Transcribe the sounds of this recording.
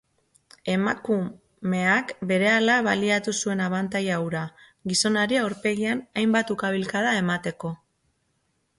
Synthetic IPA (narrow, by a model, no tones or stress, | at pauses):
e̞maku | me̞akbe̞ɾe̞alaβaliat̪usue̞naβant̪ajawɾa | ɣiso̞naɾiawɾpe̞ɣianajmbat̪ukaβilkaðae̞mat̪e̞ko̞